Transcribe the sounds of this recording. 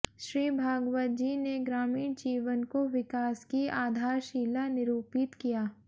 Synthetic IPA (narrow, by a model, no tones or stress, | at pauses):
ʃɾiːbʱaːɡʋəd͡ʒineɡɾaːmiːnd͡ʒiːʋənkoʋɪkaːskiaːd̪ʱaːɾʃiːlanɪɾuːpɪt̪kijaː